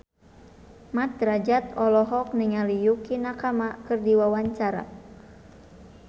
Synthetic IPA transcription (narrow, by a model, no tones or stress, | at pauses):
mat̪̚ɾad͡ʒat̪ɔlɔɦɔk̚niŋalijukinakamakɨrdiwawaɲt͡ʃaɾa̰